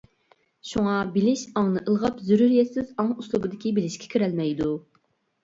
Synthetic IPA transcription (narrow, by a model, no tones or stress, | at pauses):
ʃuŋɑbɪlɪʃɑŋnɨʔəlˠʁɑpzyɾyɾjɛt̪sɪzɑŋuslˠubɨd̪ɪkʲibɪlɪʃkʲʰɛ̥kʲʰyɾɛlmɛjd̪u